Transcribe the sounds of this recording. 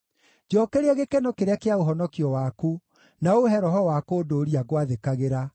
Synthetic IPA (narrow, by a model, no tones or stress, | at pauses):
d͡ʒɔkeɾeɛɣekenokeɾeakeaoɦɔnɔkiɔwaku | naoɦɛɾɔɦɔwakoːdoɾiaɣwaðekaɣeɾa